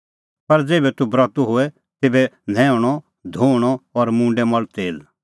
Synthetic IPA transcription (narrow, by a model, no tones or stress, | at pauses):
pɐɾd͡zeːbɛt̪ubɾɔt̪uɦoɛ | t̪eːbɛnʱɛ̃ːʊɽ̃ɔ | d̪ʱoːɽ̃ɔɔːɾmũːɳɖɛmɔlt̪eːl